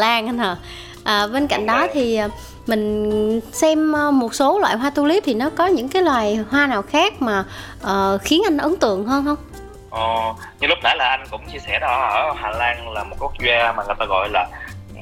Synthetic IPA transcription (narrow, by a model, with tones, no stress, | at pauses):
laː˧ŋʔnəː˨˩ | ʔəː˨˩ɓe˧nka̰˧˨jŋ̟ɗɔ˨˦t̪ʰi˨˩ʔəː˨˩ | mï˨˩ŋ̟sɛ˧mʔːmo˨˩t̚so˨˦lwa̰ː˧˨jɦwaː˧t̪u˧li˦˥p̚t̪ʰi˨˩nɔ˨˦kɔ˨˦ɲɨ̰˧˥ŋkaː˨˦jlwaː˨˩jhwaː˧naː˨˩wxaː˦˥k̚maː˨˩ | ʔəː˨˩xi˨˦ənʔa˧jŋ̟ʔə˨˦ŋt̪ɨ̰˧˨əŋɦəː˧nhə˧wŋ͡m | ʔə˨˩ | ɲɨ˧lʊ˦˥k͡p̚ɗə˧˦laː˨˩ʔa˧jŋ̟kʊ̰˧˥wŋ͡mt͡ɕi˧əsɛ˧˩ɗɔ˧ʔəː˧˩haː˨˩laː˧ŋlaː˨˩mo˨˩t̚ku˦˥ək̚zwaː˧maː˨˩ŋɨ˨˩jt̪aː˧ɣɔ̰˧˨jlaː˨˩